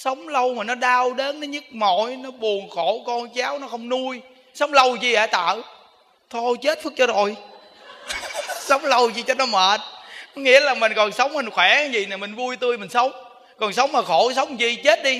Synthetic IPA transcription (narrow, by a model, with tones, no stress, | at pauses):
sə˨˦wŋ͡mlə˧wmaː˨˩nɔ˨˦ɗaː˧wɗe˨˦nːɔ˨˦ɲɨ˦˥k̚mo˨jnɔ˨˦ɓu˨˩ənxo˧˩˦kɔ˧nt͡ɕaː˨˦wnɔ˨˦xə˧wŋ͡mnu˧j | sə˨˦wŋ͡mlə˧wt͡ɕi˧ʔaː˨˩jt̪a̰ː˧˨ | t̪ʰo˧jt͡ɕe˦˥t̚fɨ˦˥k̚t͡ɕɔ˧zo˨˩j | sə˨˦wŋ͡mlə˧wt͡ɕi˧t͡ɕɔ˦t̚nɔ˨˦məː˨˩t̚nɔ˨˦ŋḭ˧˥əlaː˨˩mï˨˩ŋ̟kɔ˨˩nsə˨˦wŋ͡mmi˨˩nxwɛ˧˩˦kaː˨˦zi˨˩naː˨˩mi˨˩ŋ̟vu˧jt̪ɨ˧əjmï˨˩ŋ̟sə˨˦wŋ͡m | kɔ˨˩nsə˨˦wŋ͡mmaː˨˩xo˧˩˦s̬ə˨˦wŋ͡mt͡ɕi˧t͡ɕe˦˥t̚ɗi˧